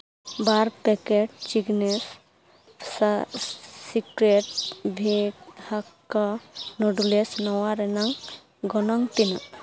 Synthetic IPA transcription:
baɾpɛkeʈ̚t͡ʃiɡnes | sikɾeʈ̚bʱekhakː | ɔnɔɖulesnɔwaɾɛnaŋ | ɡɔnɔŋt̪ina

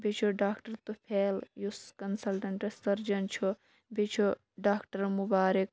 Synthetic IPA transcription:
bit͡ʃʰuɖaːkʈɐɾt̪upʰeːljuskɐnsɐlʈɐɳʈɐsɐɾd͡ʒɐnt͡ʃʰu | bit͡ʃʰu | ɖaːkʈɐɾmubaːɾik̚

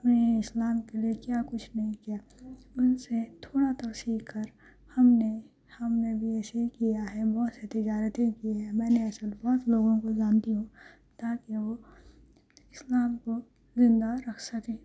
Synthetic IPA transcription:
ɐpneɪslaːmkeliekjaːkʊt͡ʃʰnɐɦĩkijaːʊnset̪ʰoːɽat̪ɐɾsiːkʰkəɾ | hɐmne | hɐmnebʱiɛːsekijaɦɛbɔːt̪set̪ɪd͡ʒaːɾət̪ẽkieɦɛmɛ̃ːneɐsəlbɔːt̪loːɡõkod͡ʒaːnd̪iɦõ | t̪aːkiʋo | ɪslaːmko | zɪ̃nd̪aɾɐkʰsɐkẽː

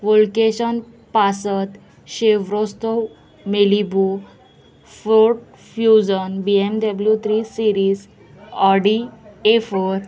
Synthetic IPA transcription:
ʋolkeɕən | pasət̪ | ɕeʋɾost̪ow | melibu | fɾoʈ̚ | fjud͡ʑənbiemɖəbljut̪ʰɾisiɾiːs | ɔɖiefoɾ

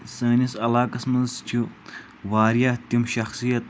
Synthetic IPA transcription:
sɐːnisɐlaːkɐsmɐnzt͡ʃʰu | ʋaːɾjat̪imʃɐxsijɐt̪̚

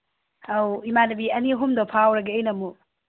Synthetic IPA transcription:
awimanɐbiɐniɦumdopʰawɾɐɡeːjnɐmu

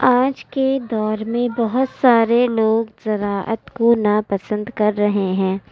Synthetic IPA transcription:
ãːd͡ʒked̪ɔːɾmẽbɐɦʊt̪saːɾeloːɡzɐɾaːʔə̰t̪konapɐsə̃nd̪kɐɾːɐɦeɦɛ̃ː

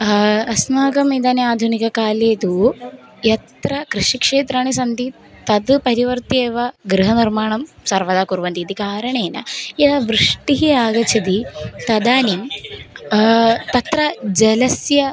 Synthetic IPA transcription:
ɐsnaːɡɐmid̪aːneaːd̪ʱunikɐkaːleːt̪u | jɐt̪ɾɐkɾɨʂikʂeːt̪ɾaːɳis̬ɐnd̪i | t̪ɐd̪pɐɾiʋɐɾt̪eːʋɐɡɾɨɦɐniɾmaːɳɐmsɐɾʋɐd̪aːkuɾʋɐnt̪iːt̪ikaːɾɐɳeːnɐ̰id̪ɐʋɾɨʂʈiɦiaːɡɐt͡ʃʰɐd̪it̪ɐd̪aːnim | t̪ɐt̪ɾɐd͡ʒɐlɐsjɐ

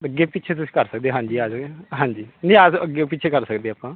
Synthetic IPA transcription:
əɡːeːpɪtːt͡ʃʰeːt̪̬ʊsiːkəɾsək̚d̪eːɦãːɲd͡ʒiːaːd͡ʒɦãːɲd͡ʒiːnĩːaːsəɡːeːpɪtːt͡ʃʰeːkəɾsəkd̪eːaːpãː

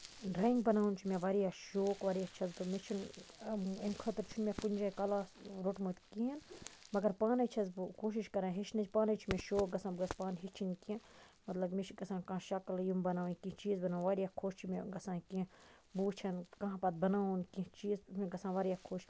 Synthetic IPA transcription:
ɾɐŋɡbɐnaːunt͡ʃʰumẽʋaɾijaːʃoːkʋaːɾijaːt͡ʃʰɐzbɨmet͡ʃʰun | emkʰɐt̪ɾt͡ʃʰunmepunʲd͡ʒakɐlaːsɾoʈmot̪ʲkiinmɐɡɐɾpaːnɐt͡ʃʰɐzbkoːʃ̬iʃkɐɾãːɦit͡ʃʰnɐt͡ʃʰpaːnɐt͡ʃʰumẽʃoːk̚ɡɐsãːbɡɐspaːnɦit͡ʃʰinkĩ | mɐt̪lɐbmet͡ʃʰɡɐsãːnkãʃɐkljumbɐnaːwunkĩt͡ʃiːzbɐnaːw̃ʋaːɾijakʰoːʃt͡ʃʰumeɡɐsãːkĩ | buːt͡ʃʰɐnkɐ̃ɦãpɐt̪̚bɐnaːunkĩt͡ʃiːzmẽɡɐsãːʋaːɾijaːkʰoːʃ

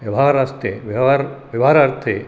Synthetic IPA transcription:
ʋjɐʋɦaːɾaːst̪eʋaɾʋɐʋɦaːɾaːɾt̪ʰe

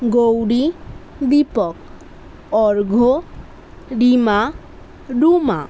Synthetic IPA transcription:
ɡowɽi | d̪ipɔk | ɔɾɡʱo | ɖima | ɖuma̰

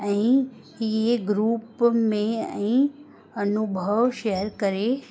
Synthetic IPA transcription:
ɛ̃ĩ | jeɡɾuːpmẽɛ̰̃ĩ | ɐnubʱəʋʃeɦəɾkəɾe

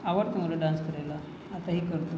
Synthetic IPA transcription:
aʋəʈt̪ãmoɾəɖãnskəɾajlaː | t̪aɦiːkəɾt̪o

